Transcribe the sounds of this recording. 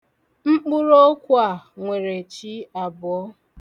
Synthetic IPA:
ŋ͡m̩˦k͡pʊ˦ɾo˦kʷa˦˨ŋʷe˨ɾe˨t͡ʃi˦a˨bʊ˨ɔ˦

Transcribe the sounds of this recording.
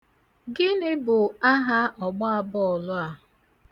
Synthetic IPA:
ɡɪ˦nɪ˦bʊ˨a˦ɦa˦ɔ˨ɡ͡bɔ˦a˨bɔ˦ɔ˨lʊ˦a˨

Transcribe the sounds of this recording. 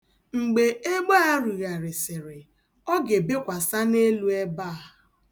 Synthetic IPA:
ŋ͡m̩˨ɡ͡be˨ʔe˦ɡ͡bo˦a˦ɾu˨ɣa˨ɾɪ˨sɪ˨ɾɪ˨ | ɔ˦ɡe˨bɪ˦kʷa˨sa˦ne˦lu˦e˦ba˦a˨

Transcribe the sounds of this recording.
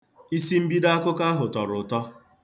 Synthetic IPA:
i˦si˦m̩˦bi˦da˦a˦kʊ˦ka˦ɦʊ˨tɔ˨ɾʊ˨tɔ˦

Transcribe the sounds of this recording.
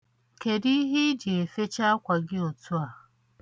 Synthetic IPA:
ke˨di˦ɦi˦d͡ʒɪ˨e˨fe˦t͡ʃa˦a˦kʷa˨ɡɪ˦o˨tʰu˦a˨

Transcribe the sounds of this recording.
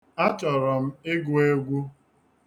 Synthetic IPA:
a˦t͡ʃɔ˨ɾɔ˨m̩˦ɪ˦ɡʊ˦e˦ɡʷu˦

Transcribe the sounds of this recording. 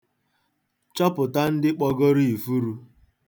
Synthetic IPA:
t͡ʃɔ˦pʊ˨ta˦n̩˦dɪ˦k͡pɔ˦ɡo˦ɾi˦i˨fu˦ɾu˦

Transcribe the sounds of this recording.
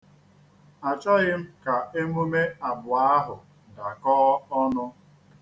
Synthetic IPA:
a˨t͡ʃa˦ɣɪ˦m̩˦ka˨e˦mu˦me˦a˨bʊ˨a˦ɦʊ˨ | da˨kɔː˦ɔ˦nʊ˦

